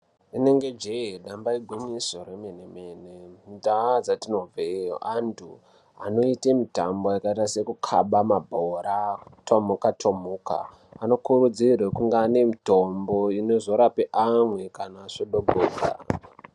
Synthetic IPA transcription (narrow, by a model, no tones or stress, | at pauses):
ine̞ŋɡe̞d͡ʒeeɗambaiɡʱwimisoɾemenemeːnemdad͡zatino̞vʱeo̰antʰṵ | a̰no̞itemita̰mboakaitase̞kukʰa̰ɓamabʱoɾatʰomukatʰomuka̰ː | no̞kurud͡zirwekuŋɡane̞mito̞mbo̞inozo̞ɾapeʔamwe̞kanaːʂoɗobʱoːɡa̰